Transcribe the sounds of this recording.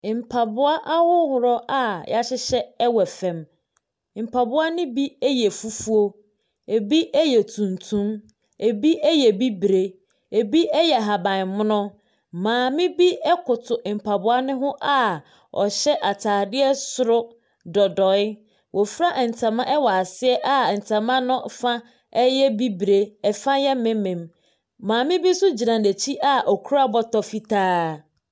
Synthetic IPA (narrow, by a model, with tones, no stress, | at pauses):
m̩˨pʰa˨bʊ˦a˦ʔa˦hʊ˦hʊ˨ɾɔ˦ʔa˦ja˦ɕɪ˦ɕɛ˦ɛ˦wɛ˨fɛ̃˨m˨ | m̩˨pʰa˨bʊ˦a˦nɪ̃˦bi˦ɛ˦jɛ˨fu˦fu˦o˦ | e˨bi˦ʔɛ˦jɛ˨tʰũ˨ntʰũ˦m | e˨bi˦ɛ˦jɛ˨bi˦bɾe˦ | e˨bi˦ɛ˦jɛ˨ɦa˨bã˨n˨mʊ̃˦nʊ̃˦ | mãː˨mɪ̃˦bi˦ɛ˦kʊ˨tʰʊ˨ʔm̩˨pʰa˨bʊ˦a˦nɪ̃˦ɦʊ̃˦ʔa˦ | ɔ̰˨ɕɛ˦ʔa˨tʰaː˨dɪ˦ɛ˦sʊ˨ɾʊ˦ | dɔ˨dɔ˨ɪ˦ | wʔɔ˨fɾa˦ʔn̩˨tʰã˨mã˦ʔɛ˦wɔ˨a˨sɪ˦ɛ˦ʔa˦˨n̩˨tʰã˨mã˦nʊ̃˦fã˦ | ɛ˦jɛ˦bi˦bɾe˨ɛ˨fã˦jɛ˦mɪ̃˦mɛ̃˨m | mãː˨mɪ̃˦bi˦sʊ˦d͡ʑi˨nã˨ne˨t͡ɕʰi˦ʔa˦ʔɔ˨kʰu˦ɾa˦bɔ˦tɔ˨fi˦tʰaː˦